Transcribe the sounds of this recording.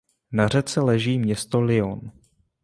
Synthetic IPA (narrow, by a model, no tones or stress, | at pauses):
nar̝ɛt͡sɛlɛʒiːmɲɛst̪o̞lɪon